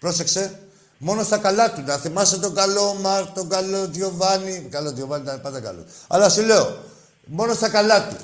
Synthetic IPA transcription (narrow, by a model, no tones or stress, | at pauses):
pɾo̞sekse̞ | mo̞nost̪ɐkɐlɐt̪unɐθimɐset̪oɡɐlo̞mɐɾt̪oɡaloðʝovɐnikɐloðʝovɐnit̪ɐpɐnd̪ɐkɐ̰lo̰ɐ̰lɐsile̞o | mo̞nosθɐkɐlɐt̪u